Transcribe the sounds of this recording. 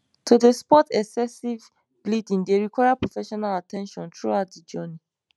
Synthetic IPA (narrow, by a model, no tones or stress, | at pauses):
tʰudəspɔtɛksɛsiv | blidĩŋdeɹikwajapɹofɛʃɔnalatɛ̃nʃɔ̃ntʰɹuaʊtdəd͡ʒɜni